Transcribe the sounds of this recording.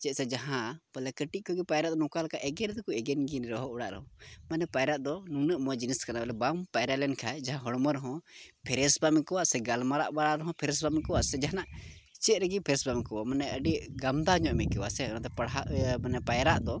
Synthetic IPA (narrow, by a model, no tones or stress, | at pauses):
t͡ʃɛt̪̚sɛd͡ʒaɦãpəlɛkəʈiʔ̚ˀkɔɡɛpajɾaʔd̪ɔnɔ̃kalkaʔɛɡɛnd̪ɔkuɛɡɛnɡinɾɔɦɔʔuɽa̰ʔɾə̰ɦɔ̃manɛpajɾaʔ̪d̪ɔnunəʔmɔd͡ʒiniskanabɛlɛbampajɾalɛnkʰajd͡ʒaɦãɦɔɽməɾɦɔ̃pʰɛɾɛsbamikɔwaʔsɛɡalmaɾa̰ʔbaɽaɾəɦɔ̃pʰɛɾɛs̬bamkɔwaʔsɛd͡ʒaɦanaʔt͡ʃɛʔ̪ɾəɡipʰɛɾɛsbamikɔwamanɛəɖiɡamd̪aɲɔʔmɛʔkɛwasɛɔnãt̪ɛpaɽɦaanɛpajɾaʔd̪ɔ